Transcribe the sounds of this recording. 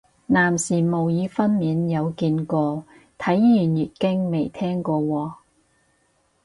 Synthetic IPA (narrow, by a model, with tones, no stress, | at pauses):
naː˨˩msiː˨˩mo˨˩wjiː˨˧fɐ˥nmiː˨˧njɐ˨˧wkiː˧nkɔː˧ | t̪ʰɐ˨˥jjyː˨˩njyː˨t̚kɪ˥ŋme˨˩jt̪ʰɛː˥ŋkɔː˧wɔː˧